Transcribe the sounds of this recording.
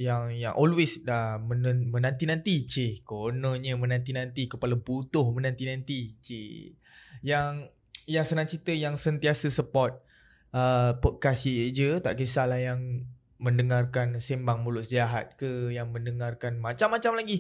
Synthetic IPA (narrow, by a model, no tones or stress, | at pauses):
jaŋjaŋʔɔlwesdamənəmə̃nãnt̪inãnt̪it͡ʃekonə̃ɲə̃mə̃nãnt̪inãnt̪ikəpalabut̪ʊhmə̃nãnt̪inãnt̪it͡ʃe | jaŋ | jaŋsənãŋt͡ʃit̪əjaŋsənt̪iasəsəpɔt̪̚ | əpɔt̪̚kasid͡ʒət̪a̰ʔkəsalahjaŋ | mə̃ndəŋarkansembaŋmulʊʔsəiaɦat̪̚kəjaŋmə̃ndəŋarkanmãt͡ʃamːat͡ʃamlaɡi